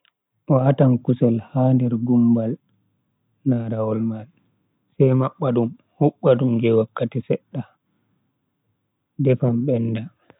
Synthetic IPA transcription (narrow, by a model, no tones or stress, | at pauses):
ʔɔaatankusɛlhandɛɾɡumbal | naɾawɔlmal | sɛjmaɓːadum | huɓːadumɡɛwakːatisɛɗːa | dɛfamɓɛnːda